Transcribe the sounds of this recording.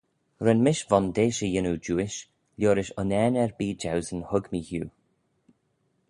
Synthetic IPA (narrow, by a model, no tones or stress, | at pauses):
ɾɛnmɪʃvɔnd̪eːʃəjɪnud͡ʒuːɪʃ | lʲjoːɾɪʃʊnɛːnɛɹbiːd͡ʒawzənhʊɡmiːhjṵː